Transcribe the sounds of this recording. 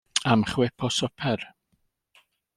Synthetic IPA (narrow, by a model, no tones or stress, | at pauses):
amχwɪpʰɔsɔpʰɛr